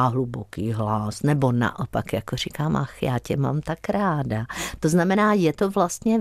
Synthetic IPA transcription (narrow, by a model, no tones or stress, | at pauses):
ɦlubokiːɦlasnɛbo̞na̰ʔopakjakorikaːmʔaxjaːcɛma̰mt̪akɾaːdat̪oznamɛnaːjɛt̪ovlast̪ɲɛ